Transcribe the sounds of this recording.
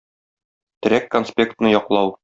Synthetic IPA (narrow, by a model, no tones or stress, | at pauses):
t̪ɘ̆ɾækːonspʲe̞kt̪nɤjɒqlˠɑw